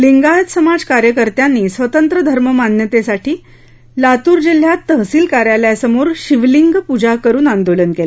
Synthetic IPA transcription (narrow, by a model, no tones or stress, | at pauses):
liŋɡaət̪səmad͡zkaɾjəkəɾt̪janːiːsʋət̪ənt̪ɾəd̪ʱəɾməmanjət̪esaʈʰiː | lat̪uːɾd͡ʑil̤jat̪ːəɦsiːlkaɾjaljasəmoɾɕiʋliŋɡpud͡ʑakəɾuːnand̪olənkela